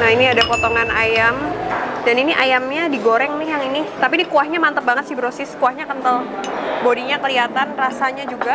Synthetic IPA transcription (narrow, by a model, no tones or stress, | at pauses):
nahiniadapɔt̪ɔŋanʔajamdaniniʔajamɲadiɡoɾɛŋnɪhjaŋinit̪apinikuahɲamant̪əp̚baŋət̪sɪibəɾosɪskuahɲakənt̪əlbodiɲakəliat̪anrasaɲad͡ʒuɡa